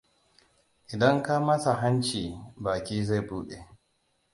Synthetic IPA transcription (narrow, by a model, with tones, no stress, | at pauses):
ʔɪ˨dɐ˦ŋka˦mɐ˦sa˨ɦa˦nt͡ʃiː˨baː˨kʲiː˦za˦˨buː˦ɗe˨